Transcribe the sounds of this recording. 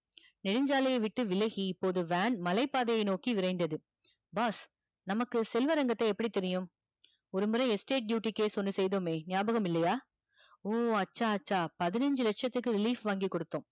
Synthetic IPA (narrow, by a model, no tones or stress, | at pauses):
nɪɽɯɲd͡ʒaːlɐjɐɪʋɪʈːɯʋɪlɐɣiɪpːoːðɯʋaːnmɐlɐɪpːaːðɐjɐɪnoːkiʋɪɾɐɪnd̪ɐðɯ | baːs | nɐmɐkːɯsɛlʋɐɾɐŋɡɐt̪ːɐɪɛpːɐɽit̪ɛɾɪjɯm | ɔɾɯmɯɾɐ̃ɛsʈeːʈ̚ɖjuːʈːikːeːsɔnːɯsɛjðoːmeːnɪjaːbɐɣɐmɪlːɐjaː | oːɐt͡ʃːaːɐt͡ʃːaːpɐðɪnɐɲd͡ʒɯlɐʈʂɐt̪ːɯkːɯɾɪliːfʋaːŋɡikɔɽɯt̪ːõː